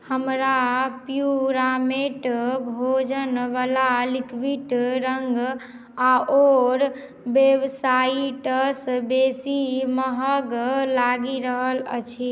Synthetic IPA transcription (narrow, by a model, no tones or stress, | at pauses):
həmɾapjuɾameʈbʱod͡ʒənʋalalikʋiʈɾəŋɡ | aʔoɾ | beʋsaiʈəsbesiməɦəɡlaɡiɾəɦələ̰t͡ʃʰi